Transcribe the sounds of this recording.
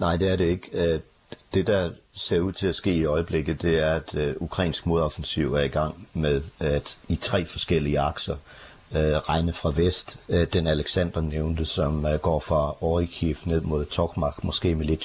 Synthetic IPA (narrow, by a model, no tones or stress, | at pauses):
nɑ̈ɪ̰d̥e̝æɐɾe̝e̝ɡ̥ | d̥e̝d̥ɑ̈se̝ɐ̰uð̞̰ˠt͡sʰe̝læsɡ̥e̝̰ːiɒ̽ɪəb̥le̝ɡ̥ð̩ˠd̥e̝æɐæd̥ukʰʁɑḭːnsɡ̥mo̝ðˠɒfn̩siʊ̰æɐiɡ̥ɑ̈ŋ̰meðˠæd̥it͡sʰʁɛ̰ːfɒ̽sɡ̥el̰iəɑ̈ɡ̥sɐ | ʁɑ̈ɪnəfʁɑ̈ʋesd̥d̥enæleɡ̥sæn̰d̥ɐneʊnd̥əsɒ̽mɡ̥ɒ̰ːfʁɑ̈ɒʁikʰifne̝ð̰ˠmo̝ð̞̰ˠt͡sʰɒɡ̥mɑ̈ɡ̥mɒ̽sɡ̥e̝̰ːmeled̥